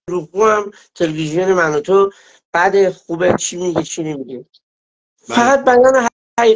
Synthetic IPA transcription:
ɾuɣuæm | t̪ʰelevizijonemænot̪ʰo | b̥æd̪exubet͡ʃʰimiɡit͡ʃʰinemiɡi | fæɣæt̪̚bæjɑːneɦ | æi

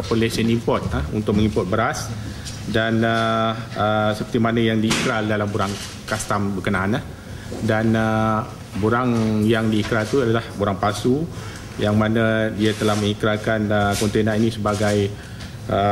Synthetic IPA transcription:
polesənimpɔt̪̚aṵnt̪ʊk̚məŋipɔt̪̚bəɾas | danəəsəpərt̪imanajaŋdiikɾaldalambuɾaŋ | kast̪ambəkənãːnah | danə | buɾaŋjaŋdiːkɾalt̪uadalahbuɾaŋpasu | jaŋmanãdiat̪əlahmə̃ŋikɾalkanəkɔnt̪enãinĩsəbaɡaj | ʔə

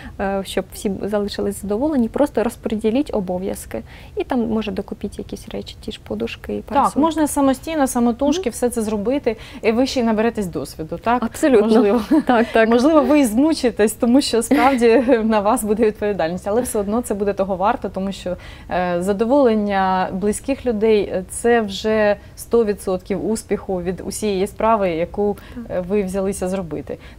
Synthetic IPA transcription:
ʃt͡ʃɔbwsʲizɐlˠɪʃɪlˠɪsʲzɐd̪ɔʋɔlˠenʲipɾʔɔst̪ɔɾɔspɔɾʲedʲilʲitʲɔbɔʋʲjɐ̰skɪ | it̪ɑmmɔʒɐd̪ɔkʊpʲitʲjɐkʲisʲrɛt͡ʃʲi̥tʲiʃpɔd̪ʊʃkɪipɾt̪aksmɔʒnɐsɐmɔsʲtʲijnɔsɐmɔt̪uʃkɪwsɛt̪sɛzrɔbɪt̪ɪiʋɪʃiinɐbeɾɛt̪esʲd̪ɔsʲʋʲid̪ʊt̪ɑkɐpsɔlʲutɔʒnlˠɪʋɔt̪ɑkt̪ɑkmɔʒlˠɪʋɔʋɪzmut͡ʃɪt̪ɪsʲt̪ɔmuʃt͡ʃɔspɾɑwdʲinɐʋɑsbud̪ɛʋʲid̪̚pɔʋʲid̪ɑlʲnʲisʲɐlˠɛwsɛɔd̪nɔt̪sɛbud̪ɛt̪ɔɦɔʋɑrt̪ɔt̪ɔmuʃt͡ʃɔzɐd̪ɔʋɔlˠenʲːɐblˠɪsʲkɪxlʲʊd̪ɛjt̪sɛwʒɛ | st̪ɔʋʲid̪sɔt̪kʲiwuspʲixʊʋʲid̪ʊ̰sʲijɛjispɾɑʋɪjɐkuʋɪwzʲɐlˠɪsʲɐzrɔbɪt̪ɪ

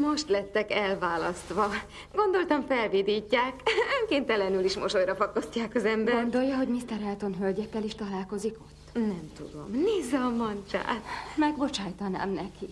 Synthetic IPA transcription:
mo̞ʃt̪lɛt̪ːɛkɛlvaːlɒst̪ʋɒ | ɡo̞nd̪o̞lt̪ɒɱfɛlvid̪iːcːaːkøŋkeːnt̪ɛlɛnyliʃmoʃojɾɒfɒkːo̞scːaːkɒzɛmbɡɛɾɡo̞nd̪o̞jːɒɦo̞ɟmist̪ɛɾɛlt̪o̞nɦølɟɛkːɛliʃt̪ɒlaːlko̞ziko̞t̪ːnɛmt̪ud̪o̞̰mniːzɛmɒnt͡ʃa̰ːmɛɡbo̞t͡ʃaːjt̪ɒna̰ːmnɛki

